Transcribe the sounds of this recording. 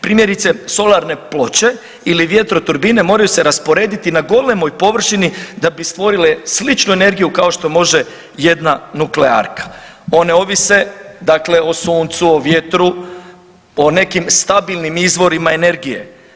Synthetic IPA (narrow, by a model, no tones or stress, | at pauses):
pɾiːmje̞ɾit̪se̞so̞laɾne̞plo̞t͡ɕe̞ | iliʋje̞t̪ɾo̞t̪uɾbine̞mo̞ːɾajuse̞ɾaspo̞ɾe̞ːd̪it̪inaɡo̞le̞mo̞jpo̞ʋr̩ʃinid̪abist̪ʋo̞ɾile̞slit͡ʃnuene̞ɾɡijukao̞ʃt̪o̞mo̞ʒe | je̞d̪nanuklea̰ɾkḁ | o̞ne̞o̞ʋise̞d̪akle̞osuːnt̪suoʋje̞t̪ɾu | one̞kimst̪abilˠnimizʋo̞ɾimae̞ne̞ɾɡije̞̰